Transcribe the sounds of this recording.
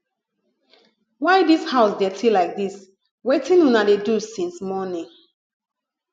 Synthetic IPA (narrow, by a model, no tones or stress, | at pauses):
waɪdishaʊsdɛtʰilaɪk̚dis | wetĩnwunadedusĩnsmɔnĩŋ